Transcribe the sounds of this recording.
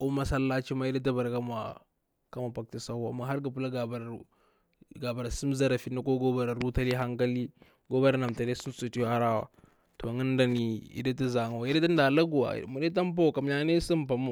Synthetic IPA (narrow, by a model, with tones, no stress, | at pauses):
u˦ma˦sa˦lːa˦t͡ʃi˦ma˦i˦da˦t̬a˦ba˨ɾka˦ma̰˨ | ka˦ma˨pa˨k̚ti˦sa˦a̰˨ma˨ɦa˦ɾɡa˨p̬u˦la˦ɡa˨ba˨ɾ | ɡa˨ba˨ɾa˨si˦m˦za˦ɾa˨fi˨na˦ko˦ɡo˦ba˨ɾa˨ɾu˦ta˦li˦ɦa˦ŋka˦li˦ | ɡo˦ba˦ɾa˨na˨mta˨li˦su˦msu˨ti˦ja˦ɾa˦wa̰˨ | to˨ŋə˦nda˨ni˨ḭ˦da˦t̬a˦za˨ŋa˨wi˦da˦ta˦n˦da˨la˦ɡu˨wa̰˨mu˨de˦t̬a˦m˦p̬a˦˨ka˨mɲa˦ne˦si˦mpa˨mo˦˨